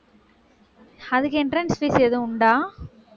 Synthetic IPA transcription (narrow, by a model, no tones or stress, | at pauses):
ɐðɯkːɪnʈɾɐnsfiːsɛðɯ̃ʊɳɖaː